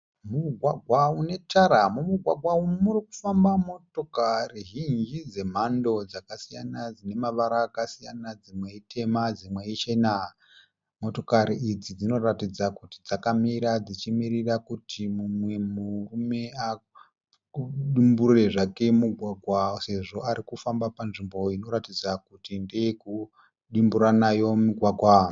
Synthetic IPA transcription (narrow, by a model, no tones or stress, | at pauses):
muɡʱwaɡʱwaune̞taɾamumuɡʱwa̰ɡʱwaumuriku̥fambamo̞to̞kariɦind͡ʒid͡ze̞m̤ando̞d͡zakasija̰nad͡zine̞maʋaɾaːkasijanad͡zimwe̞itʰe̞mad͡zimwe̞it͡ʃe̞na | mo̞to̞kaɾiid͡zid͡zino̞ratid͡zakutid͡zakamiɾad͡zit͡ʃimirirakutʰimumwe̞murume̞a | ɗimbure̞ʐake̞muɡʱwaɡʱwase̞ʐo̞aɾikufambapanʐimbo̞ino̞ɾatid͡zakutinde̞eku | ɗimbuɾanajo̞miɡʱwaɡʱwa